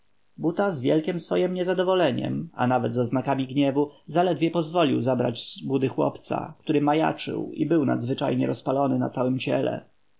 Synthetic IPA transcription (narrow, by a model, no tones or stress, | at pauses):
but̪azvʲjɛlkʲɛmsfɔjɛmɲɛzad̪ɔvɔlɛɲɛ̰ma̰navɛd̪zɔznakamʲiɡɲɛvuzalɛd̪vʲjɛpɔzvɔlʲiwzabɾa̰d͡ʑzbud̪ɘxwɔ̰pt̪sa̰k̚t̪uɾɘmaja̰t͡ʂɘ̰wḭbɘwna̰d̪zvɘt͡ʂajɲɛɾɔspalɔnɘna̰t̪sawɘmt͡ɕɛ̰lɛ̰